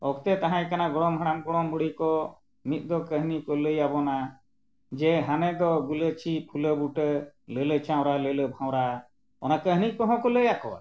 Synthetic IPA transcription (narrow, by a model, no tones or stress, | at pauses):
ɔkt̪ɛt̪aɦãjkanaɡɔɽɔmɦaɽ̃amɡɔɽɔməɽikɔ | mit̪̚ˀd̪ɔkəɦnikɔləjabɔna | d͡ʒɛɦanɛd̪ɔɡulət͡ʃʰipʰuləbuʈələlət͡ʃʰãw̃ɾalələbʱãw̃ɾa | ɔnakəɦnikɔɦɔ̃kɔləjakɔwa̰